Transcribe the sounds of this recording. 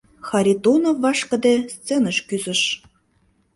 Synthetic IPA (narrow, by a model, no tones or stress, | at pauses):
xɑɾʲit̪onovːɑʃkə̆d̪ĕst͡senəʃkyzə̆ʃ